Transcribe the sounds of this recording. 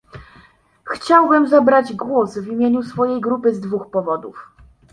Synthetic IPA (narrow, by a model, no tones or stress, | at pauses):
xt͡ɕawbɘmzabɾad͡ʑɡwɔsvʲimʲjeɲusfɔjejɡɾupɘzd̪vuxpɔvɔd̪uf